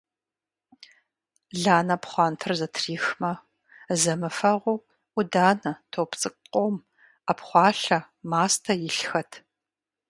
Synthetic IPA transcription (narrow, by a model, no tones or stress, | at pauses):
ɮaːnɐpχʷɑːntʰɨrzɐtʰriːxmɐ | zɐmɨfɐʁʷu | ʊdaːnɐtʰowpt͡sʼɨkʼqʼom | apχʷɑːɬɐ | maːstʰɐjɪɬxɐtʰ